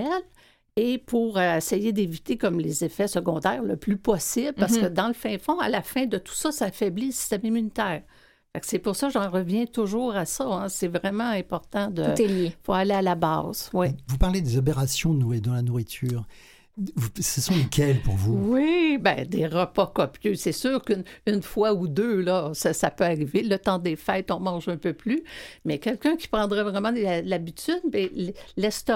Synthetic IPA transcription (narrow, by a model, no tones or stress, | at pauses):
ɛl | epuʁəesɛjed̪evit̪ekɔmlezefɛsəɡɔ̃d̪ɛːʁləplypɔsɪblpaʁsə̥kəd̪ɑ̃ləfɛ̃fɔ̃a̰lafɛ̃d̪ət̪u̥sʌsaːfɛbliləsi̥st̪ɛmimynit̪ɛːʁ | faksɛpʊʁsʌkʒɑ̃ʁəvjɛ̃t̪ʊʒuːʁasʌɛ̃sɛvʁɛmɑ̃ɛ̃pɔʁt̪ɑ̃d̪ət̪eljefoalealabɑ̰ːz̥wivupaʁled̪ezɔp̬eʁasjɔ̃nuʁid̪ɑ̃lanuʁit̪ʰyːʁ | vusəsɔ̃lekʲɛlpuʁvuwibɛ̰̃d̪eʁəpɔkɔpjøsɛsyːʁknynfwaud̪ølʌsasapøaʁivelət̪ɑ̃d̪efɛjt̪ɔ̃mɑ̃ʒœ̃pøplymɛkʲɛlkʲœ̃kʲi̥pʁɑ̃d̪ʁɛvʁɛmɑ̃alabit̪yd̪̚bɛllɛst̪